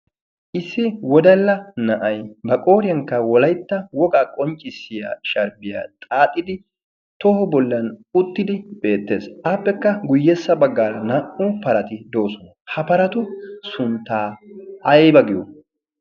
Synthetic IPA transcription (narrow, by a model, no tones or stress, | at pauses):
ʔɪsːɪwɔd̪ɐlːɐnɐʔɐjbɐkʼo̞ːɾɪjɐŋkːɐwɔlɐjt̪ːɐwɔɡaːkʼɔnt͡ʃʼːɪsːɪja̰ːʃɐɾbɪja̰ːt̪ʼaːt̪ʼːɪd̪ɪ | t̪ɔhʊbɔlːɐnʊt̪ːɪd̪ɪbe̞ːt̪ːe̞̰ːsʔaːpːɛkːɐɡʊjːɛsːɐbɐɡːaɾɐnɐʔʊpɐɾɐt̪ɪd̪o̞ːsɔnɐhɐpɐɾɐt̪ʊsʊnt̪ːaːɐjbɐɡɪjo̰